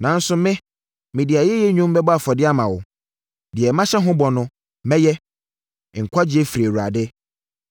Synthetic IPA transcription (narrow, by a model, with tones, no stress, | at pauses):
nã˨n̩˦sʊ˦mɪ̃˦ | mɪ̃˨dɪ˨a˨jɛ˦jɛ˦ɲũ˦m˦bɛ˦bɔ˦a˨fɔ˨dɪ˦a˦mã˨wʊ˨ | dɪ˨ɛ˨mã˦ɕɛ˦ɦʊ̃˦bɔ˨nʊ̃˦ | mɛ̃˦jɛ˦˨ | ŋ̩˨kʷʰa˦d͡ʑɪ˦ɛ˦fi˨ɾi˨e˨wu˨a̰˨dɪ˦